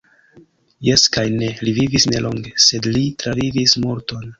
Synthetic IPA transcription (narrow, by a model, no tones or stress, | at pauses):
je̞skajne̞livivisne̞lo̞ŋɡe̞se̞dlitɾavivismoɾto̞n